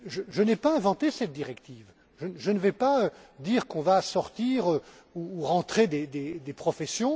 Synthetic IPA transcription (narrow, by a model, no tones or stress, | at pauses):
ʒəʒənɛpaɛ̃vɑ̃t̪esɛt̪̚d̪iʁɛkt̪iːv | ʒəʒənəvɛpaød̪iʁkɔ̃vasɔʁt̪iʁø | uːʁɑ̃t̪χed̪ed̪ed̪epχɔfɛsjɔ̃